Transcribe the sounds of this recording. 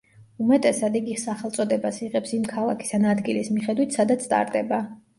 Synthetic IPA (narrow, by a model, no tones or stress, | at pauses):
umɛt̪ʼɛsad̪iɡisaχɛlt̪sʼɔd̪ɛbasiʁɛpsimkʰalˠakʰi̥st̪ʰanad̪ɡilismiχɛd̪wit̪ʰsad̪at̪sʰt̪ʼa̰ɾd̪ɛba